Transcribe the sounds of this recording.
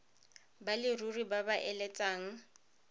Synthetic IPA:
balɪruribabaʔɛlɛt͡sʼaːŋ̩

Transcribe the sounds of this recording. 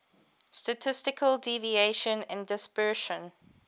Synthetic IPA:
stətʰɪstɪkʰəldivieʃə̃næ̃ndɪspɜːʃə̃n

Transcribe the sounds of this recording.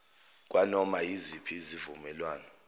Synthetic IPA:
k̬ʼwanɔmajizipʰizivumɛlwaːnɔ

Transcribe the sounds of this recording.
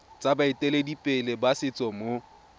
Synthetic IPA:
t͡sʼabaɪtʼɛledipʼɪlɪbasɪt͡sʼɔmo

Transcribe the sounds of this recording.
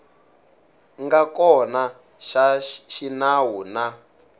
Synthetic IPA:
ŋɡakɔna | ʃaʃinawuna

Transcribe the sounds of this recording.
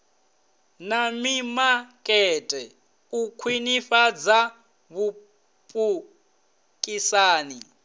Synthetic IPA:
namimakʼɛtʼɛ | ukʰwinifad͡za | βu | pʼu | kʼisaːni

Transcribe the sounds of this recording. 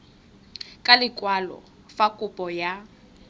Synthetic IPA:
kʼalɪkʼwalɔ̰ | fakʼʊpʼɔja

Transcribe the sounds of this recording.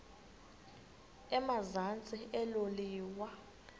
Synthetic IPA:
ɛmazant͡sʼiɛloliːwa

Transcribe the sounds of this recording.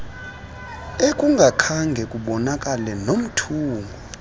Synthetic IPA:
ekʼuŋɡʱakʰaŋɡʱɛkʼuɓɔnakʼalɛnom̩tʰuːŋɡʱɔ

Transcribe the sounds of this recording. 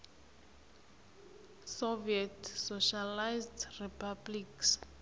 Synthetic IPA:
soviɛtsoʃalajzdripʰabliks

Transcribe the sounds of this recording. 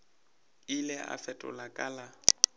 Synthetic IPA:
ɪlɛʔa̰fɛtʼʊ̰lakʼaːla

